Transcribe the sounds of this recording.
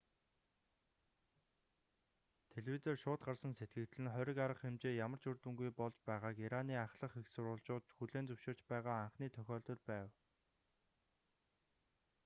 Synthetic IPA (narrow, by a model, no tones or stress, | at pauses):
t̪ʰeɮweːt͡seːrʃʊːt̪̚ɢarsə̆nset̪̚ɡɘ̆kt̪ɮɘ̆nχœɾʲɪ̆kaɾə̆χxemt͡ɕeːjamə̆r̥t͡ɕɵrt̪ɘ̆ŋɡujpɔɮt͡ɕpæːʁaːkiɾaniːaχɮə̆χexsʊɾʊːɮt͡ɕʊːt̪xuɮeːnt͡sɵwʃɪːrt͡ɕpæːʁaːaɴχniːt̪ʰœxʲɔːɮt̪ɞ̆ɮpæːw